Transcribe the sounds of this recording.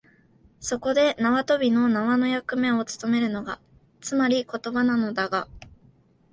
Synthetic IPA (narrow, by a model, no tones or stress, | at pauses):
so̞ko̞d̪e̞naβat̪o̞bʲino̞naβano̞jakɯ̟mẽ̞ɰ̃o̞t͡sɨ̥t̪o̞me̞ɾɯ̟no̞ɡa | t͡sɨmaɾʲiko̞t̪o̞banano̞d̪aɡa